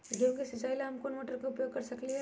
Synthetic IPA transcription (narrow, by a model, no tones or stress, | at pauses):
kjõːŋkisɪt͡ʃaːilaɦɐmkoːnmoːʈəɾkaʊpjoːɡ̚kɐɾsɐkliɦɛ